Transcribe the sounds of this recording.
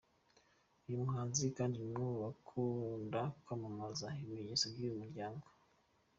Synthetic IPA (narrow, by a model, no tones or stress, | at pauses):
ujumuɦaːnzikaːndimuβakʰundakwamamazaimeɲesoɟijumuɾɟaːŋɡo